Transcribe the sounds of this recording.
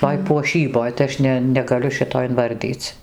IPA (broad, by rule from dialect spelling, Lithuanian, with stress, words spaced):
ˈtoːj puɔˈʃʲiːboːj tɐɪ ˈɐʃ nʲɛ nʲɛɡɐˈlʲʊ ˈʃʲɪtoː ɪnˈʋɐrʲdʲiːt͡s